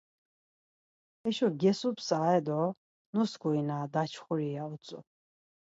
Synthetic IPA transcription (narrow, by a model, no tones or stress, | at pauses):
ɛʃɔɡɛsupsaːɛd̪ɔ | nusɡuinaːd̪at͡ʃʰχuɾiaut͡sʼɔ̰